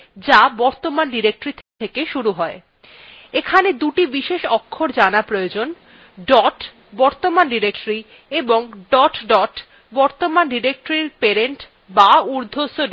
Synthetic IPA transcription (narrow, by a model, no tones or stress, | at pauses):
d͡ʑabɔɾt̪omanɖiɾek̚ʈoɾit̪ʰt̪ʰekeʃuɾuɦɔe | ekʰaned̪uʈibiʃeʃɔkʰːoɾd͡ʑanapɾojod͡ʑon | ɖɔʈ | bɔɾt̪omanɖiɾek̚ʈɾi | eboŋɖɔʈɖɔʈ | bɔɾt̪omanɖiɾek̚ʈoɾiɾpeɾeɳʈ | bauɾd̪ʱosoɖ